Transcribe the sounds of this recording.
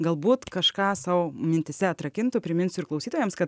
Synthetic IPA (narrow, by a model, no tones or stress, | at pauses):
ɡɐlˠbuːt̪kɐʃkɑːsɐʊmʲɪnʲt̪ʲɪsʲɛɐt̪ɾɐkʲɪnt̪ʊpʲɾʲɪmʲɪnʲsʲʊɪɾklˠɐʊsʲiːt̪oːjɛmskɐt̪